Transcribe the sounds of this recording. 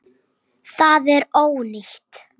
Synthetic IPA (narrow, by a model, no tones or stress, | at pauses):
θaðɛɾoːwnɪçt̪